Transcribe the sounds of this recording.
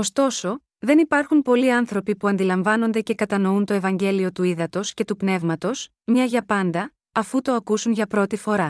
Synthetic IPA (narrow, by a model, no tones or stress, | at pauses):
o̞st̪o̞so̞ | ðe̞nipɐɾxunpo̞liɐnθɾo̞pipuɐnd̪ilɐɱvɐno̞nd̪e̞ce̞kɐt̪ɐno̞unt̪o̞e̞vɐɲɟe̞lio̞t̪uiðɐt̪o̞sce̞t̪upne̞vmɐt̪o̞s | mɲɐʝɐpɐnd̪ɐː | fut̪o̞ɐkusunʝɐpɾo̞t̪ifo̞ɾɐ